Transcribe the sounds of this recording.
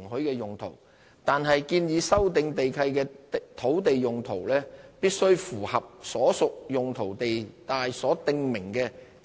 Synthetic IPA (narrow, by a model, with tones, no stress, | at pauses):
ŋhɵ˨˥jkɛː˧jʊ˨ŋt̪ʰo̰˨˩w | t̪aː˨nɦɐ˨jkiː˧njiː˨˧sɐ˥wt̪ɪ˧ŋt̪e˨jkʰɐ˧jkɛː˧t̪ʰo˨˥wt̪e˨jjʊ˨ŋt̪ʰo˨˩wlɛː˥piː˥t̚sɵ˥ɥfuː˨˩hɐ˨p̚sɔː˨˥sʊ˨k̚jʊ˨ŋt̪ʰo˨˩wt̪e˨jt̪aː˨jsɔː˨˥t̪ɪ˧ŋmɪ˨˩ŋkɛː˧